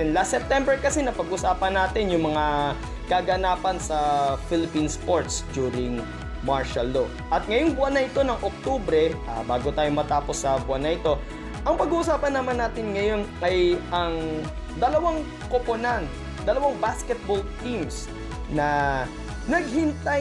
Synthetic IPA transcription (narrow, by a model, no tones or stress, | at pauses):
ɛnlast̪ːɛp̚t̪ɛmbɛɹkɐsɛnɐpɐɡʔʊsaːpɐnːaːt̪ɪnjʊŋmɐŋa | kaɡɐnaːpɐnsɐfɪlɪpinspoɹt̪sd̪uːɾɪŋ | maɹʃɐlːo | ʔɐt̪̚ŋɐjoŋbʊanɐʔɪt̪o̞nɐŋʔok̚t̪oːbɾɛʔa̰baːɡot̪aːjomɐt̪aːpo̞sːɐbʊʔanːɐʔɪt̪o̞ | ʔɐŋpɐɡuːʔʊsaːpɐnːɐmanːaːt̪ɪnŋɐjo̞nʔɐjʔɐŋ | d̪ɐlɐwaŋ | koponant̪ | d̪ɐlɐwaŋbaskɛt̪̚bolt̪ims | nɐ | nɐɡ̚hɪnt̪a